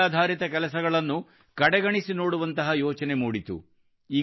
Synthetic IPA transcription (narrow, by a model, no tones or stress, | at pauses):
aːd̪ʱaːɾit̪ɐkɛlɐs̬ɐɡɐɭɐnːu | kɐɽɛɡɐɳisinoːɽuʋɐnt̪ɐɦɐjɔːt͡ʃɐne̞muːɽit̪ṵ | iː